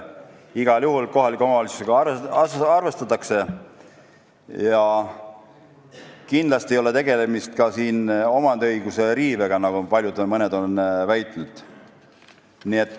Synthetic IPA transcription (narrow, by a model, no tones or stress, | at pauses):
iɡ̥ɑljuɦulko̞ɦɑlikːˑomɑɑlisuseɡ̥ɑɑrɑsɑrve̞st̪ɑt̪ːˑɑkse̞ | jɑ | kind̪lɑst̪iejo̞le̞t̪eɡ̥e̞le̞mist̪̚kɑsiːno̞mɑnd̪eɤjɡ̥use̞ɾiːve̞ɡ̥ɑnɑɡ̥upɑlʲjud̪mɤne̞d̪o̞nvæjt̪ˑnud̪̥ | nie̞t̪ˑː